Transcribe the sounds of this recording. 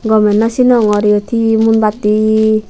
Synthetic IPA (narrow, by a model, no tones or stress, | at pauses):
ɡɔmɛnːasinɔŋɔɾiɔt̪ʰimunbat̪i